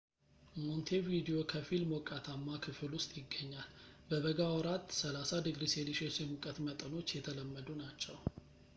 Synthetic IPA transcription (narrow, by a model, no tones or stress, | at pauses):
mont̪ʰe̞vid̪ijo̞kʰəfilmokʼat̪ʰamːakʰɨfɨlwʊst̪ʼjɪɡːəɲːalbəβəɡawɔɾat̪ːsəlasad̪ɨɡɾiseliʃesjɛmukʼət̪mət̪ʼəno̞t͡ʃːjɛt̪ʰələmːəd̪unat͡ʃːɛw